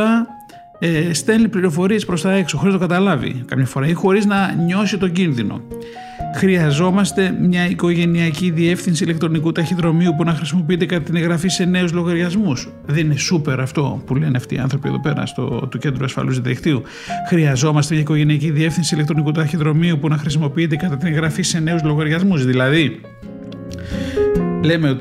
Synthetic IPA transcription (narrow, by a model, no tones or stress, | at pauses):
ɐ | st̪enlipliɾo̞fo̞ɾiespɾo̞st̪ɐe̞ksoxoɾiznɐt̪okɐt̪ɐlɐvḭkɐmɲɐfo̞ɾɐixo̞ɾiznɐɲo̞sit̪o̞ɟinðino̞̰ | xɾiɐzo̞mɐst̪e̞mɲɐiko̞ʝe̞niɐciðie̞fθinsilekt̪ɾo̞nikut̪ɐçiðɾo̞miupunɐxɾisimo̞p̬iit̪e̞kɐt̪ɐt̪ineɣɾɐfise̞ne̞uzlo̞ɣɐɾʝɐzmus | ðenine̞supe̞ɾɐft̪o̞pule̞neɐft̪ḭiɐ̰nθɾo̞pieðope̞ɾɐ̰st̪o̰t̪uce̞nd̪ɾuɐsfɐ̰luzðiðḭkt̪iu | xɾiɐzo̞mɐst̪emɲɐiko̞ʝe̞niɐciðie̞fθinsilekt̪ɾo̞nikut̪ɐçiðɾo̞miupunɐxɾisimo̞piit̪̬e̞kɐt̪ɐt̪ineɣɾɐfise̞ne̞uzlo̞ɣɐɾʝɐzmuzðilɐði | le̞meot̪